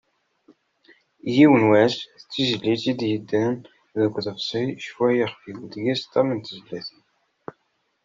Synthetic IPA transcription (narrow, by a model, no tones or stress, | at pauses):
jiwənwæsət͡sːizəlːit͡sid̪jəd̪ːæn | ðəɡʷðəfsˤiʃfuæjəχfiɡd̪ɡæst̪ˤæ̰mənt̪əzlæθən